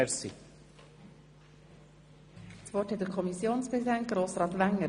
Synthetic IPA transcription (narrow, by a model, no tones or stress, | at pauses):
ɛɾsi | svɔthɛt̚dəɾkʰɔmisjoːnspɾɛsidɛnt̚ɡ̥ɾoːsɾɑːt̪ʋæŋːə